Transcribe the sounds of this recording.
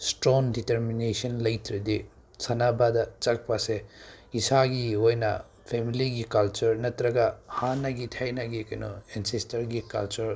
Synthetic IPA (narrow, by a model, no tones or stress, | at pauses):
stɾɔŋditeɾminesɐnlɐjtɾɐdi | sanabadɐt͡ʃɐk̚paseisaɡiojnɐ̰ | pʰemiliɡikɐlt͡ʃɐɾnɐtɾɐɡɐhanɐɡitʰajnɐɡikɐno̰ensestɐɾɡikɐ̰lt͡ʃɐɾ